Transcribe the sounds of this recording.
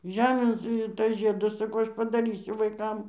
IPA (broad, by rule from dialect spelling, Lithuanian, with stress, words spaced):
ˈʒʲæːmʲeːn ˈsʊ ɪr ˈtɐs ˈʒʲiɛdɐs sɐˈkɐʊ ˈɐʃ pɐdɐˈrʲiːsʲʊ ʋɐɪˈkɐm